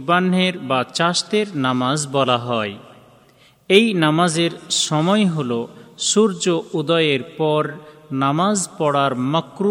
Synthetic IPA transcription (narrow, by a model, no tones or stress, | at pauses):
banɦeɾbat͡ɕast̪eɾnamazbɔlaɦɔe | ejnamazeɾʃɔmɔeɦoloʃuɾd͡ʑoʔud̪ɔjeɾpɔɾnamazpɔɽaɾmakɾu